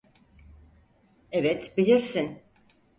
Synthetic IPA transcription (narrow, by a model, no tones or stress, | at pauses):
evɛt̪bilʲiɾsin